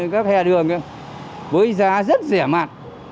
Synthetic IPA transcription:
kaː˦˥k̚hɛ˧˩ɗɨ˨˩əŋə˧ | ɓəː˨˦jzaː˨˦zə˦˥t̚zɛ˧˩ma̰ː˧˨n

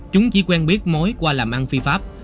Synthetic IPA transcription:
t͡ɕʊ˨˦ŋ͡mt͡ɕi˨˦kwɛ˧nɓi˦˥ət̚mo˨˦jkwaː˧laː˨˩mʔa˧nfi˧faː˦˥p̚

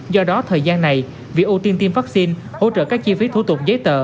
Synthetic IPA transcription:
zɔ˧ɗɔ˨˦t̪ʰəː˨˩jzaː˧nːa˨˩j | vi˨ək̚ʔu˧t̪i˧nt̪i˧mvaː˦˥k̚si˧n | ho̰˧˨t͡ɕə̰ː˧˨˩kaː˦˥k̚t͡ɕi˧fi˨˦t̪ʰṵ˧˩t̪ʊ˨˩k͡p̚zəː˨˦jt̪ə̰ː˧˨

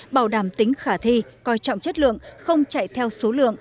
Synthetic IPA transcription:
ɓaː˧˩wɗaː˧˩mt̪ï˨˦ŋ̟xaː˧˩t̪ʰi˧kɔ˧jt͡ɕɔ̰˧˨wŋ͡mt͡ɕə˦˥t̚lɨ̰˧˨əŋxə˧wŋ͡mt͡ɕa̰˧˨jt̪ʰɛ˧wso˨˦lɨ̰˧˨əŋ

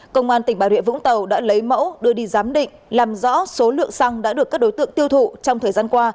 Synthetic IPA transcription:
kə˧wŋ͡mʔaː˧nt̪ï˩ŋ̟ɓaː˧˩wḭ˧˨ənvʊ̰˧˥ŋ͡mt̪ə˨˩wɗa̰ː˧˥lə˨˦jmə̰˧˥wɗɨ˧əɗi˧zaː˨˦mɗḭ̈˧˨ŋ̟laː˨˩mzɔ̰˧˥so˨˦lɨ̰˧˨əŋsa˧ŋɗa̰ː˧˥ɗɨ˨˩əkaː˦˥k̚ɗo˨˦jt̪ɨ̰˧˨əŋt̪i˧əwt̪ʰṵ˧˨t͡ɕɔ˧wŋ͡mt̪ʰəː˨˩jzaː˧nkwaː˧

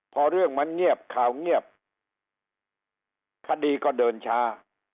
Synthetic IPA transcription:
pʰɔ˧ɾɯ˥˩əŋma˧˥nŋi˥˩əp̚kʰaː˨˩wŋi˥˩əp̚ | kʰa˧˩diː˧kɔː˥˩dɤː˧nt͡ɕʰaː˦˥

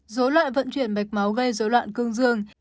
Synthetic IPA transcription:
zo˨˦lwa̰ː˧˨jvə̰˧˥nt͡ɕwi˧˩ənɓa˨˩jk̚ma˨˦wɣə˧jzo˨˦lwa̰ː˧˨nkɨ˧əŋzɨ˧əŋ

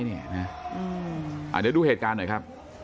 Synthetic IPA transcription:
jni˥˩ɐna˦˥ʔɯː˧ʔa̰˨˩t̪̚t͡ɕa˧˩duː˧heː˨˩t̪̚kaː˧nːo˨˩˦jkʰa˦˥p̚

